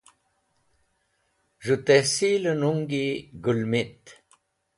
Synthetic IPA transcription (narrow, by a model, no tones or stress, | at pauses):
ʐut̪esilənuŋɡiɡulmit̪